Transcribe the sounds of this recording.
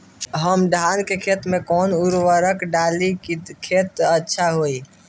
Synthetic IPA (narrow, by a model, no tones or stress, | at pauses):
ɦəmɖʱaːnkekʰet̪mekɔnuɾʋəɾəkɖalikʰet̪ətːʃʰaɦoi